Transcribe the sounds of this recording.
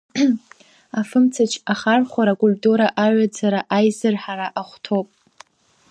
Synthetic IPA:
afɨmt͡sʰat͡ʃʰaχarχʷaɾakʼulʲtʼuɾaʔaɥʷad͡zaɾaʔajzɨrħaɾaʔaχʷtʰopʼ

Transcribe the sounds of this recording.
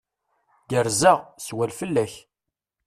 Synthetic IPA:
ɡəɾzæʁswælfəlːæç

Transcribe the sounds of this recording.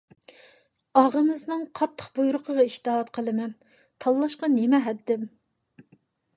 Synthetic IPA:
ɑʁəmɨznɨŋqʰɑt̪ʰːə̥qbujɾʊqʰəʁɑiʃt̪ɨɦɑt̪qʰəlˠɨmɛn | t̪ʰɑlˠːɑʃqɑnemɛɦɛd̪ːɪm

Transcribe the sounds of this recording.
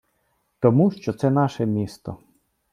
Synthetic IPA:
t̪ɔmuʃt͡ʃɔt̪sɛnɑʃɛmʲist̪ɔ̰

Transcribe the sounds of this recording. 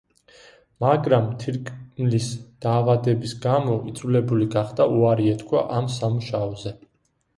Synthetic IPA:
maɡɾamt̪ʰiɾkʼmlisd̪̥aːvad̪ɛbisɡamɔid̪zulɛbuliɡaχd̪auaɾiɛt̪kʰwa̰ʔamsamuʃaɔzɛ

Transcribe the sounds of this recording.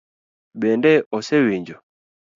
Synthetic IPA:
bɛndɛɔsɛwiɲd͡ʒɔ

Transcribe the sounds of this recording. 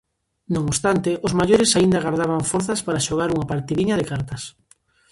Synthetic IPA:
nõŋost̪ant̪ɪʔozmaʎoɾɪsaind̪aɣaɾðaβ̞aɱfɔɾθɐspaɾaʃoɣ̞aɾuŋɐpaɾt̪iðiɲɐðɪkaɾt̪ɐs

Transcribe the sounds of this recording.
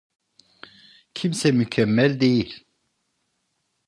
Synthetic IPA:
cʰimsɛmycʰɛmːɛlʲd̪e̞jilʲ

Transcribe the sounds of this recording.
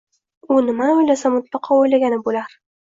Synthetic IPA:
unɪmanʊjlasamʊt̪lˠɑqʰɑujlaɡʲanɪbulaɾ

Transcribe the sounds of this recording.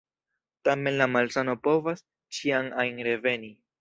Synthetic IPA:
tame̞nlamalsano̞po̞vas | t͡ʃiaŋajnɾe̞ve̞ni

